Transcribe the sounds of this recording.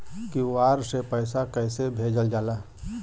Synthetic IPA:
kiʋaːɾsepəɪsakɛːsebʱeːd͡ʒəld͡ʒaːlaː

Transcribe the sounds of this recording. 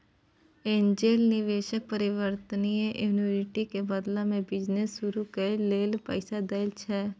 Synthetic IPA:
ẽːnd͡ʒeːlnɪʋeːʃək̚pəɾɪʋəɾt̪ənijʔuːnoɾɪʈikebɐd̪lamẽbɪd͡ʒnesːʊɾukeleːlpə̰ɪsad̪ɐɪlt͡ʃʰɛː

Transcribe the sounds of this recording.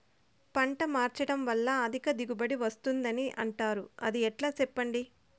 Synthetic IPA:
pɐɳʈɐmaːɾt͡ʃɐɽɐmʋɐlːɐːd̪ʱikɐd̪iɡubɐɽiʋɐst̪und̪ɐniʔɐ̰ɳʈaːɾuɐd̪iɛʈlaːt͡ʃɛpːɐɳɖi

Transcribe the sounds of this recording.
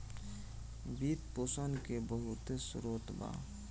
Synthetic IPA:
bit̪poːsənkebəɦʊt̪esṵɾoːt̪ba̰

